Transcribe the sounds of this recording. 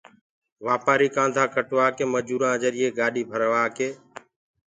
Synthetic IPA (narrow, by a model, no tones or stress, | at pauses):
ʋaːpaːɾiːkãːnd̪ʱãːkəʈʋaːkeːməd͡ʒuːɾãːd͡ʒəɾɪeːɡaːɗiːbʱəɾʋaːkeː